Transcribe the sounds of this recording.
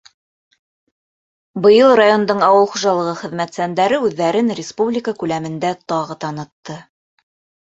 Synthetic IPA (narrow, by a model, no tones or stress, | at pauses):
bɤ̆jɤlˠrajo̞nd̪ɤɴɑwɤlˠχuʒɑlˠɤ̆ʁɤχɘ̆ðmæt̪sænd̪æɾɘʉðːæɾɘnrʲɪspublʲɪkəkʉlæmɘ̆nd̪æt̪ɑʁɤt̪ɑnɤ̆t̪ːɤ